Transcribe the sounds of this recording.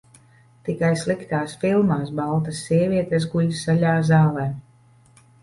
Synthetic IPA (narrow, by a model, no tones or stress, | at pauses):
t̪ikajslˠikt̪aːsfilˠmaːs̬balˠt̪asːiɛvʲiɛt̪esɡuʎʲsaʎʲaːzaːlˠɛː